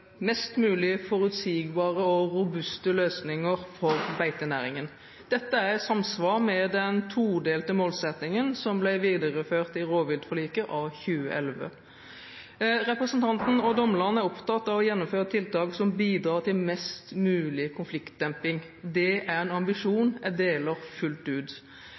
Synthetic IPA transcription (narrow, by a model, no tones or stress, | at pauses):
mɛst̪mʉːlɪfɔɾʉt̪siːɡbɑːʁəɔɾʊbʉst̪əløːsnɪŋəɾfɔɾbæɪt̪ənæːɾɪŋən | d̪̥ɛt̪ːəæʁɛt̪sɑmsʋɑːɾmɛd̪ɛnt̪ʰuːd̪eːlt̪əmoːlsɛt̪nɪŋənsɔmblæɪʋiːd̪əʁəføːʁt̪ɪɾoːʋɪld̪fɔliːkəʔɑʋçʉːə̰ʔɛlʋə̰ | ʁɛpɾəsənt̪ʰɑnt̪n̩ɔd̪ɔmːlɑnəæɾɔpt̪ɑt̪ːɑʋɔjɛnːɔmføːʁət̪ʰɪlt̪ɑːɡsɔmbiːd̪ɾɑːʁt̪ɪlmɛst̪mʉːlɪkʰʊnflɪkt̪̚d̪̥ɛmpɪŋ | d̪ɛʔæɾɛnɑmbɪʂuːnɛd̪eːləɾfʉlt̪ʉːd̪